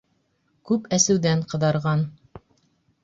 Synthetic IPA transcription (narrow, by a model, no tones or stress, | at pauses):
kʉpæsɘ̆wðæɴqɤ̆ðɑɾʁɑn